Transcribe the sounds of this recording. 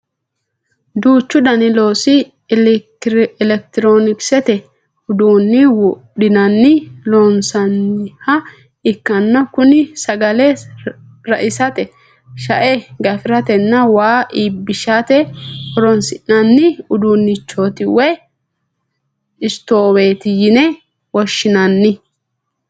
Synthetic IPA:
d̪uːt͡ʃːʊd̪ɐnɪlo̞ːsɪ | ɛlɛk̚t̪ɪɾoːnɪksɛt̪ɛ | ʊd̪uːnːɪw | ɗɪnɐnːɪloːnsɐnːɪhɐ | ɪkːɐnːɔkʊnɪsɐɡɐlɛ | ɾɐʔɪsɐt̪ɛ | ʃɐ̰ʔɛɡɐfɪɾɐt̪ɛnːɐwaːʔiːbːɪʃat̪ɛhɔɾɔnsɪʔnɐnːɪʊd̪uːnːɪt͡ʃːoːt̪ɪwɛ | ɪst̪oːwe̞ːt̪ɪjɪnɛ | wɔʃːɪnɐnːɪ

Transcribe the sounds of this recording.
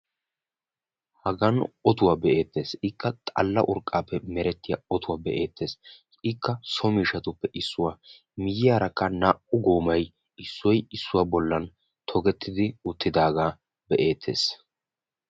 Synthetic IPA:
hɐɡɐnɔt̪ʊwaːbɛʔe̞ːt̪ːe̞ːsɪkːɐt̪ʼɐ̰lːɐʔʊɾkʼːaːpːɛmɛɾɛt̪ːɪja̰ːɔt̪ʊwaːbɛʔe̞ːt̪ʰːe̞ːs | ɪkːɐsɔmiːʃɐt̪ʊpːɛʔɪsːʊwaː | mɪjɪjaːɾɐkːɐnaːʔʊɡoːmɐj | ɪsːɔjɪsːʊwaːbɔlːɐn | t̪ʰɔɡɛt̪ːɪd̪ɪʊt̪ːɪd̪aːɡaː | bɛʔe̞ːt̪ʰːe̞̰ːs

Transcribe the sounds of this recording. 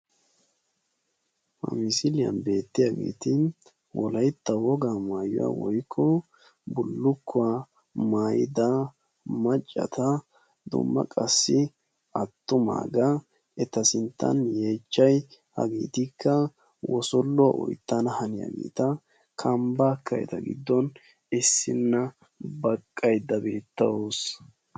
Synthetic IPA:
mɐ̰mɪsɪlɪjɐ̰nbe̞ːt̪ːɪjaɡḛːt̪ɪ | wɔlɐjt̪ːɐwɔɡamaːjʊ̰wa̰wɔjkʰːɔ | bʊlːʊkʰːʊa | maːjɪd̪ɐ | mɐt͡ʃʼːɐ̰t̪ɐ | d̪ʊ̰mːɐ̰kʼɐsːɪ | ʔɐt̪ːʊma̰ːɡɐ | ɛt̪ɐsɪnt̪ːɐ̰nje̞ːt͡ʃːɐjhɐ̰ɡḭːt̪ɪkːɐ | wɔsɔlːʊwa̰ʔɔ̰jt̪ːɐnɐhɐnɪja̰ːɡḛːt̪ɐ | kʰɐmbaːkːɐjɛ̰t̪ɐɡɪ̰d̪ːɔn | ɪsːɪnːɐ | bɐkʼːɐjd̪ːɐbeːt̪ːɐwos

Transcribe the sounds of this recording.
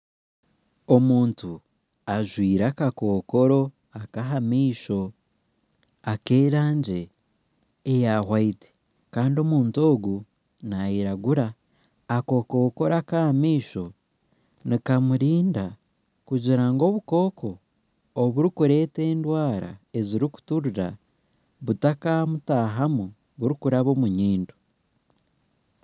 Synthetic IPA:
o̞muːntu | aʒwiːɾakakoːko̞ɾo̞ | akaɦamiːʃo̞ | ake̞ːɾaːɲɟe̞ː | jahwaite̥ | kaːndio̞muːnto̞ːɡu | najiɾaɡuɾaː | ko̞ːkoko̞ɾakaːmiːʃo̞ | nikamuɾiːnda | kuɟiɾaŋɡo̞βuko̞ːkʰo̞ː | βuɾikuɾe̞ːte̞ːndwaːɾa̰e̞ziɾiku̥tuɾuɾa | βutakamutaːɦamu | βuɾikuɾaβo̞muɲiːndu̥

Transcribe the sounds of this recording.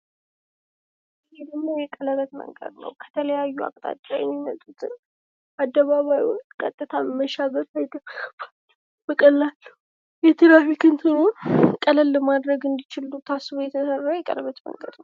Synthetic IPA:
jed̪əmmːojɛkʼələβət̪mə̰ŋɡə̰d̪nə̰wkʰə̥t̪ʰələjajːua̰kʼt̪ʼa̰t͡ʃ̪ʼːa̰jɛ̰mːimət̪ʼut̪ʰɨn | ad̪ːəβaβajɔkʼə̰t̪ʼːɨt̪ʰaməməʃaβət̪lajd̪əbkəb̥ḁt͡ʃː | bəkʼəlːalːə | jɛt̪ʰɨɾawikʰɨnt̪ʰɨɾokʼələlːəmad̪ɾəɡɨnd̪it͡ʃɪlut̪ʰasːɨβojɛt̪ʰəsərːajɛkʼə̰ləβət̪mə̰ŋɡəd̪nəw

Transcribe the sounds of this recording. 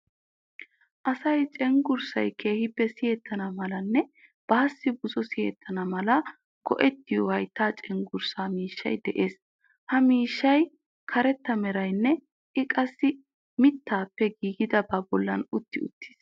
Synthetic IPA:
ʔɐsɐjt͡ʃʼɛŋɡʊɾsɐ̰jkʰe̞ːhɪpːɛsɪjɛt̪ːɐnɐmɐlɐnːɛ | b̥ɐːsːɪbʊzɔsɪjɛ̰t̪ːɐnɐmɐlɐ | ɡɔ̰ʔɛt̪ːɪjɔhɐjt̪ːaːt͡ʃʼɛŋɡʊɾsaːmiːʃːɐ̰jd̪ɛʔe̞ːs | hɐmiːʃːɐj | kʰɐɾɛt̪ːɐmɛɾɐjnːɛ | ʔɪkʼɐsːɪ | mɪt̪ːaːpːɛɡiːɡɪd̪ɐbabɔlːɐnʊt̪ːɪʊ̰t̪ːi̥ːs

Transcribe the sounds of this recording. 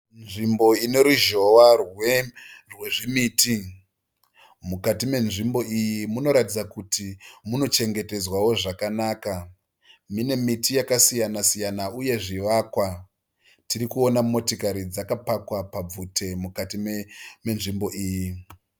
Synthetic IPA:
nʐimbo̞ine̞ɾuʒo̞ʋarwerweʐimiːti | mukatime̞nʐimbo̞ijimuno̞ɾatid͡zakutʰimuno̞t͡ʃe̞ŋɡe̞te̞zwawo̞ʐakanaːka | mine̞mitijakasijanasijanauje̞ʐiʋakwa | tiɾikuo̞namo̞tikaɾid͡zakapakwapab͡vute̞mukatimeme̞nʐimbo̞ʔiːji

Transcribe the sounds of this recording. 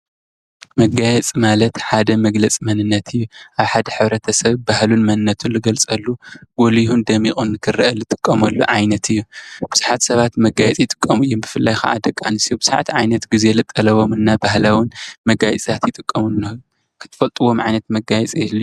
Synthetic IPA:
mɐɡajɛt͡sʼmalɐt̪ħad̪ɐmɐɡlɐt͡sʼmɐnɨnːɐt̪ʰɨjːuʔaβħad̪ɐħɨβɾɐt̪ʰɐsɐβbahlunmɐnɨnːɐt̪ʰunlɨɡɐlt͡sʼɐlːuɡ̥olihund̪ɐmixʼunːɨkʰɨrɐʔɐlɨt̪ʼɨkʼːɐmɐlːṵʕajnɐt̪ʰɨjːub̥ɨzɨħat̪sɐβat̪mɐɡajɛt͡sʼjɪt̪ʼɨ̥kʼːɐmɨjːumbɨfɨlːajxa̰ʔa̰d̪ɐkʼːa̰nɨsijubɨzaʕt̪ʰiʕa̰jnɐt̪ɡizelɨt̪ʼːɐlɐβo̞mɨnːabahlawɨnmɐɡajt͡sʼt̪ʰat̪jɪt̪ʼɨkʼːɐmunːɐ | kʰɨ̥t̪ʰɨ̥fɐlt̪ʼɨwo̞mʕa̰jnɐt̪mɐɡajɛt͡sʼɛlː

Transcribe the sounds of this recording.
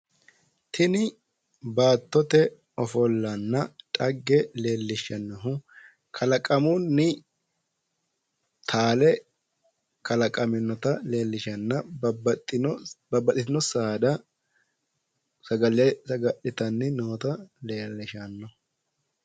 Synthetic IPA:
t̪ʰɪnɪ | baːt̪ːɔt̪ɛ | ɔfɔlːɐnːɐtʼɐɡːɛle̞ːlːɪʃɐnːɔɦʊ | kʰɐlɐkʼɐmʊnːɪ | t̪ʰaːlɛ | kʰɐlɐkʼɐmɪnːɔt̪ɐle̞ːlːɪʃɐnːɐ | bɐbːɐtːɪt̪ɪnɔsaːd̪ɐ | ɐɡɐlɐɡɐʔɪt̪ɐnːɪnoːt̪ɐleːlːɪʃɐnːɔ

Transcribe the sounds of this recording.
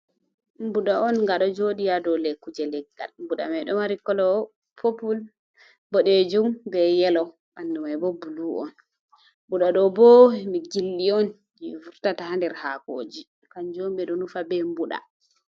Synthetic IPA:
mbuɗaɔnŋɡaɗɔd͡ʒoɗijadɔlɛkːud͡ʒɛlɛɡːa̰lmbuɗa̰mɛɗɔmaɾikːɔlɔ | pʰopul | bɔɗed͡ʒumbɛjɛlɔ | ʔandumabɔbuluɔ̰n | mbuɗaɗɔbɔmiɡilːiɔn | d͡ʒivuɾtatahandɛɾhako̰ːd͡ʒi | kand͡ʒoːmbɛɗɔnufabɛmbuɗa̰

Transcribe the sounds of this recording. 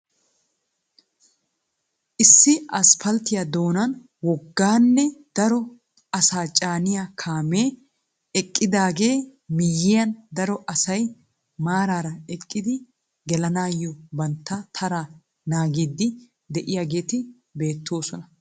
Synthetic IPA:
ʔɪsːɪɐspɐlt̪ɪjɐd̪o̞ːnɐn | wɔɡːaːnːɛd̪̥ɐɾɔ | ɐsaːt͡ʃʼaːnɪjakʰaːme̞ː | ɛkʼːɪd̪aːɡe̞ːmɪjːɪjɐnd̪ɐɾɔʔɐsɐj | maːɾaːɾɐɛkʼːɪd̪ɪ | ɡɛlɐnaːjːɔbɐnt̪ːɐt̪ʰɐɾa | naːɡiːd̪ːɪ | d̪ɛʔɪjaɡe̞ːt̪ɪ | be̞ːt̪ːo̞ːsɔnɐ

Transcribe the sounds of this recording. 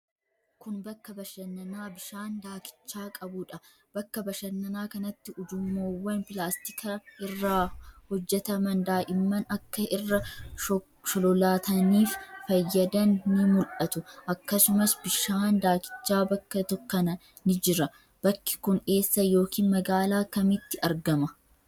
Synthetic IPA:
kʊnbɐkːɐbɐʃɐnːɐnaːbɪʃaːnd̪aːkɪ̥t͡ʃːaːkʼɐbʊᶑɐ | b̥ɐkːɐbɐʃɐnːɐnaːkɐnɐt̪ːɪʊd͡ʒʊmːoːwːɐnpɪlaːst̪ɪkʰɐɪrːaːhɔd͡ʒːɛt̪ɐmɐnd̪aːʔɪmːɐnɐkːɐʔɪrːɐ | ʃɔlɔlaːt̪ɐniːffɐjːɐd̪ɐnːɪmʊlʔɐt̪ʊʔɐkːɐsʊmɐsbɪʃaːnd̪aːkɪ̥t͡ʃːaːbɐkːɐt̪ɔkːɐnɐ | nɪd͡ʒɪɾɐ | b̥ɐkːɪ̥kʊne̞ːsːɐjo̞ːkiːnmɐɡaːlaːkɐmɪt̪ːɪʔɐɾɡɐmɐ

